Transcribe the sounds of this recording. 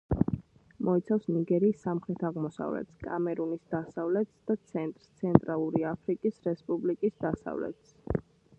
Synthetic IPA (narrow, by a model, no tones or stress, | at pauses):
mɔit̪sʰafsniɡɛɾiːsːamχɾɛt̪ʰaʁmɔsa̰vlɛ̰t̪skʼa̰mɛɾunisd̪̥asavlɛt̪sd̪̥at̪sʰɛnt̪ʼɾst̪sʰɛnt̪ʼɾalˠuɾiapʰɾikʼisɾɛspʼublikʼisd̪asa̰vlɛ̰t̪s